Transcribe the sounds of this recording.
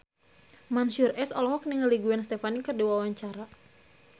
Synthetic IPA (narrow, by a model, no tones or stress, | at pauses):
mansurʔɛsɔlɔhɔk̚niŋəliɡuɛnst̪efanikɨrdiwawaɲt͡ʃaɾa